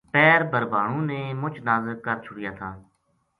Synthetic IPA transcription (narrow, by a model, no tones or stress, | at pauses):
pɛːɾbʱəɾbʱaːɳũːnẽːmʊt͡ʃʰnaːzəɾkəɾt͡ʃʰʊɽɪjaːt̪ʰaː